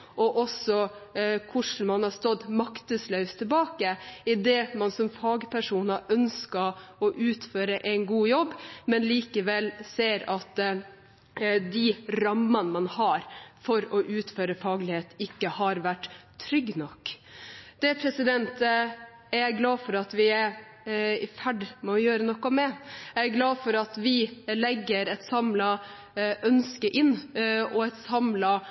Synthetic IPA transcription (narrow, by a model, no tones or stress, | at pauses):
ʔɔʔɔsɔkʰʊʂɳ̩mɑnhɑst̪ɔd̪mɑkt̪əslœʉst̪ʰɪlbɑːkəɪd̪ɛːmɑnsɔmfɑːɡpʰæʂuːnɑʔœnskɑɾɔʔʉːt̪føːɾəʔæɪnɡuːjɔbːmɛnliːkəʋɛlseːɾɑt̪ | d̪ɪɾɑmːɑnəmɑnhɑɾfɔɾɔʔʉːt̪føːɾəfɑːɡlɪheːt̪ɪkːəhɑɾʋæʈːt̪ʰːɾʏɡnɔkːd̪̥ɛpʰɾɛsɪd̪ɛnt̪ | æɾæɡlɑːfɔɾɑt̪ʋɪæɾ | ɪfæɖmɛɔjøːɾənɔkːɔmɛææɡlɑːfɔɾɑt̪ʋɪlɛɡːəɾɛt̪sɑmlɑ | ʔœnskəʔɪnːɔɛt̪sɑmlɑ